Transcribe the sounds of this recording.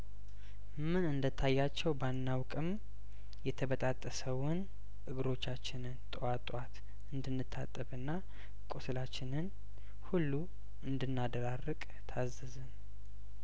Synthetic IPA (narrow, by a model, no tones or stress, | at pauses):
mɨnɨnd̪ət̪ʰːajːat͡ʃːɛwbanːawkʼɨm | jɛt̪ʰəbət̪ʼat̪ʼːəsəwʊn | ʔɨɡɨɾo̞t͡ʃːat͡ʃːɪnɨnt̪ʼwat̪ʼwat̪ | ɨnd̪ɨnːɨt̪ʰːa̰t̪ʼːəβɨnːa | kʼosɨlat͡ʃːɪnɨn | hulːu | ɨnd̪ɨnːad̪əɾarːəkʼ | t̪ʰazɨzɨn